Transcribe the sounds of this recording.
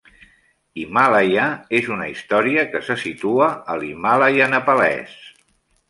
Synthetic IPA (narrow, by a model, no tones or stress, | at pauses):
imalajaezunəist̪ɔɾiəkəsəsit̪uəəlimalajanəpəlɛ̰s